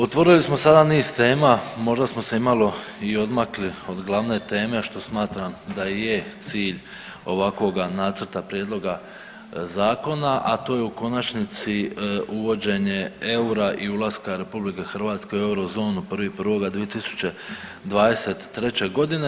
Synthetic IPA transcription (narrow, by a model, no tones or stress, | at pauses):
ot̪ʋo̞ɾilismo̞sad̪aniːzt̪e̞ːmamo̞ʒd̪asmo̞se̞imaloio̞d̪maklio̞d̪ɡlˠaʋne̞t̪e̞ːme̞ʃt̪o̞smaːt̪ɾamd̪aje̞t̪siːʎ | o̞ʋakʋo̞ɡanat̪sər̩t̪apɾje̞d̪lˠo̞ɡa | zaːko̞naʔat̪o̞ːje̞uko̞nat͡ʃnit̪siuʋo̞d͡ʑe̞ɲe̞e̞uɾaʔiulˠaskaɾe̞publike̞xr̩ʋaːt̪ske̞ue̞uɾo̞zo̞ːnuprʋipr̩ʋo̞ɡad̪ʋije̞t̪isu̥t͡ɕe̞ | d̪ʋaːd̪e̞se̞t̪ːɾe̞t͡ɕe̞ɡo̞d̪ine̞